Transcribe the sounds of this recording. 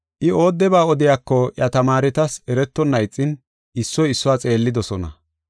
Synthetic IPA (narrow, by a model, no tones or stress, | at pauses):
ʔɪo̞ːd̪ːɛbaːɔd̪ɪjakːɔʔjɐt̪ɐmaːɾɪt̪ɐsɛɾɛt̪ːɔnːɐjt͡sʼːɪn | ɪsːɔjɪsːʊwaːt͡sʼe̞ːlːɪd̪ɔsɔnɐ̰